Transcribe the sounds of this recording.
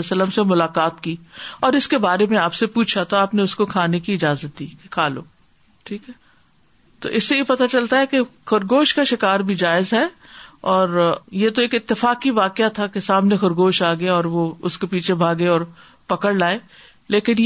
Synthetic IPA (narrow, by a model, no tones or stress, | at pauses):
sələmsemʊlaːqaːt̪kiːɔːɾɪskebaːɾemẽaːpsepuːt͡ʃʰat̪oaːpneʊskokʰaːnekiɪd͡ʒaːzət̪̚d̪iːkekʰaːlo̰ː | ʈʰiːkɦɛ | t̪o̰ʔɪsːejepɐt̪at͡ʃɐlt̪aɦɛkexʊɾɡoːʃkaʃɪkaːɾbʱid͡ʒaːɪzɦɛ | ɔːɾjet̪oeːkɪt̪ːɪfaːkiʋaːqɪat̪ʰakesaːmnexʊɾɡoːʃaːɡɐaɔːɾʋoʊskepiːt͡ʃʰebʱaːɡeɔːɾ | pɐkəɽlaːe | leːkɪn